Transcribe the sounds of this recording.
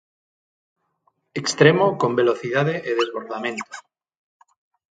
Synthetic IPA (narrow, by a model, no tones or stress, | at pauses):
ekst̪ɾemokombeloθiðað̞eʔeðezβoɾðamẽnt̪o̥